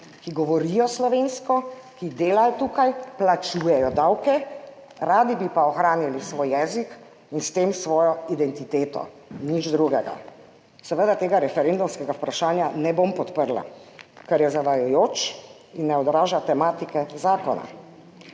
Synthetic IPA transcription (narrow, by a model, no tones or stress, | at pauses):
kiɡɔʋɔɾijɔslɔʋeːnskɔ | kid̪eːlajɔt̪uːkajplat͡ʃuːjɛjɔd̪awkɛ | ɾaːd̪ibipaɔxɾaːnilisʋojːɛːzik | inst̪emsʋɔːjɔid̪ɛnt̪it̪eːt̪ɔ̰ | nid͡ʒd̪ɾuɡɛɡa̰ | sɛʋəd̪at̪eːɡaɾɛfɛɾend̪umskɛɡaupɾaʃaːnjanɛbompɔt̪pəɾla̰kɛɾjɛzaʋajɔjoːt͡ʃ | inːɛɔd̪ɾaːʒat̪ɛmaːt̪ikɛzaːkɔna̰